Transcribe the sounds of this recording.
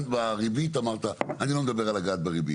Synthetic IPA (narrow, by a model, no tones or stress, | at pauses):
t̪baʁibit̪amaʁt̪aanilo̞med̪abe̞ʁalaɡat̪beʁibḭt